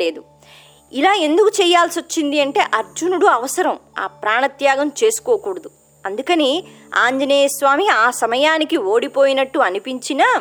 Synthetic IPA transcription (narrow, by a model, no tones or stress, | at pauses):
le̞ːd̪u | ilaːe̞nd̪ukut͡ʃɛːjːaːlsiot͡ʃːind̪iɐɳʈe̞ːʔɐɾd͡ʒunuɽuɐʋɐsɐɾɐma̰ːpɾaːɳɐt̪jaːɡɐmt͡ʃe̞ːsu̥ko̞ːkuːɽɐd̪u | ɐnd̪ukɐni | aːɲd͡ʒɐneːjɐsʋaːmiaːsɐmɐjaːnikio̞ːɽipo̞ːjinɐʈːuɐnipiɲt͡ʃinaː